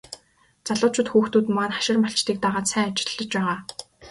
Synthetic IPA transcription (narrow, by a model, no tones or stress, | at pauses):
t͡saɮʊːt͡ɕʰʊ̆t̪xuːxt̪uːt̪maːnχḁʃɪ̆rmaɬt͡ɕt̪iːk̚t̪aːʁaːt̪sæːŋat͡ɕɪ̥̆ɮːə̆t͡ɕpæːʁaː